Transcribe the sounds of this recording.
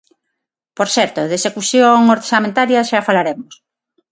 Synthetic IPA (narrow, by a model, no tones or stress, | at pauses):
poɾθɛɾt̪oðesekuθjoŋoɾsamẽnt̪aɾjaʃafalaɾemos